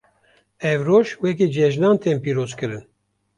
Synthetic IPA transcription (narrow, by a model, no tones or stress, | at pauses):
ɛvɾoːʃwɛkid͡ʒɛʒnɑːnt̪ʰeːmpiːɾoːzkɨɾɨn